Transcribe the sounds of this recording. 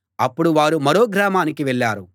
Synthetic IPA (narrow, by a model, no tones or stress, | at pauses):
ɐpːuɽuʋaːɾumɐɾo̞ːɡɾaːmaːnikiʋɛɭːaːɾu